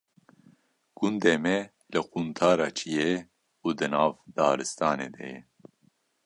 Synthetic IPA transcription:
ɡ̥und̪eːmɛ | lɨqunt̪ʰaːɾɑːt͡ʃʰije | uːd̪ɨnɑːvd̪̥ɑːɾɨst̪ɑːnḛːd̪ɛ̰jɛ

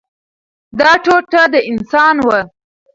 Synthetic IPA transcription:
d̪ɑʈoʈad̪əɪnsɑnwə

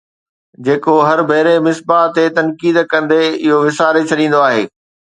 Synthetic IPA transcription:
d͡ʑeːkoɦɐɾbʱɐɦɾemɪsbaːt̪ːet̪ɐnkiːd̪kɐ̃nd̪eɪɦoʋɪsaːɾet͡ɕʰɐɗĩːn̆d̪oaːɦḛː

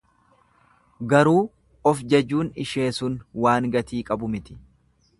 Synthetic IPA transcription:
ɡɐɾuː | ɔfd͡ʒɐd͡ʒːuːnɪʃe̞ːsʊnwaːŋɡɐt̪iːkʼɐbʊmɪt̪ɪ̥

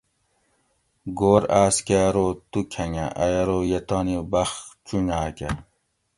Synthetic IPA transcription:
ɡoːɾaːskeɾot̪ukʰɐŋaʔɐjɐɾoːjɐt̪ɑːnibɐxt͡ɕunaːke

